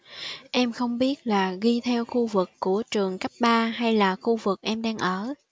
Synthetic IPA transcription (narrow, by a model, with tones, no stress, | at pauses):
ʔɛ˧mxə˧wŋ͡mɓi˦˥ət̚laː˨˩ɣi˧t̪ʰɛ˧wxu˧vɨ˨˩kːu˧˩ət͡ɕɨ˨˩əŋkp̚ɓaː˧ɦa˧jlaː˨˩xu˧vɨ˨˩k̚ʔɛ˧mɗaː˧ŋʔəː˧˩